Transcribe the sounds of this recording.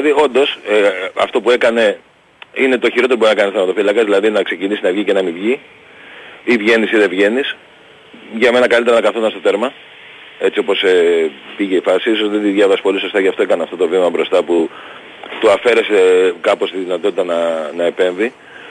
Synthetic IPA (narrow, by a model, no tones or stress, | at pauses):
ɐðio̞nd̪o̞seɐ̰ft̪o̞pue̞kɐne̞ | ine̞t̪o̞çiɾoeobɾinɐkɐnsθɐmɐt̪o̞filɐkɐzðilɐðinɐkse̞cinisinɐvʝice̞nɐmivʝi | ivʝe̞nisiðe̞vʝe̞nis | ʝɐme̞nɐkɐlit̪e̞ɾɐnɐkɐθonɐst̪o̞θe̞ɾmɐ | e̞t͡sio̞po̞sepiʝe̞ifɐsiisozðed̪iðʝɐvɐsi̥po̞liso̞st̪ɐʝɐft̪o̞ekɐneɐft̪ot̪o̞vimɐbɾo̞st̪ɐpu | t̪oɐfe̞ɾe̞se̞kɐpo̞st̪iðinɐt̪o̞t̪it̪ɐnɐnɐepe̞ɱvi